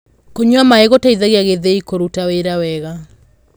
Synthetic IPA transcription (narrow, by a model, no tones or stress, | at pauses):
koɲwamaeɣotaiðaɣeaɣeðeikoɾutaweɾawɛɣa